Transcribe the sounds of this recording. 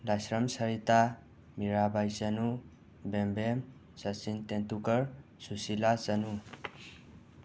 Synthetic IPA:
lasɾʌmsʌɾit̪a | miɾabajsʌnu | bembem | sʌt͡sint̪ent̪ukʌɾ | susilat͡sʌnu

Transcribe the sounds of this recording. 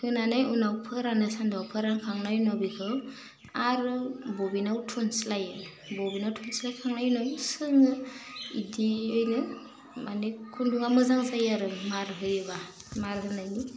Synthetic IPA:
hɯnanajunawpʰɯɾanɯsandawpʰɯɾankʰaŋnajnɔbihɯw | aɾɯbɔbinawtʰunslajɯ | bobinawtʰunslajkʰaŋnajnɔsɯŋɯḭdiɯjnɯ | manekʰunduŋamɯzaŋzajaɾɯmaɾɦɯjɯbamaɾɦɯnajni

